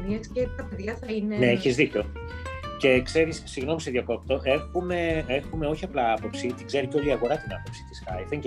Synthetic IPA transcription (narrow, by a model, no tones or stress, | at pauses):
niɐscet̪ɐpeðʝɐθɐineneeçizðico̞ | ce̞kse̞ɾisːiɣno̞miseðijɐko̞p̚t̪o̞ʔe̞xume̞exume̞o̞çiɐplɐɐpo̞psit̪iɡze̞ɾiceoliɐɣo̞ɾɐt̪inɐpo̞psi̥t̪i̥sxɐ̰jθeŋ